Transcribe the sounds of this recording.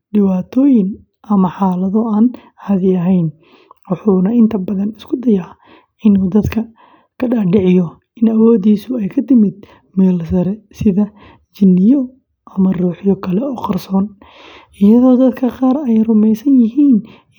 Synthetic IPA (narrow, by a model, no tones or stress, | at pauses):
ɖɪwaːt̪ʰɔːjɪŋ | ʔɐmɐħaːlɐðɔaːn | hɐðɪɐɦɛjn | wɑħuːnɐɪnt̪ʰɐbɐðɐnɪskʰʊd̪ɐjaː | ʔɪnuːd̪ɐd̪kʰɐ | kʰɐɖaːɖɪʕɪjɔ | ʔɪnɐwɔːd̪iːsʊɛjkʰɐt̪ʰɪmɪd̪̚ | mɛːlsɐɾɛsɪðɐ | t͡ʃɪnːɪjɔ | ʔɐmɐruːħjɔkʰɐlɛɔːqɑrsɔːn | ʔɪjɐðɔːd̪ɐd̪kʰɐqɑːɾɛjrʊmɛjsɐnjɪɦiːn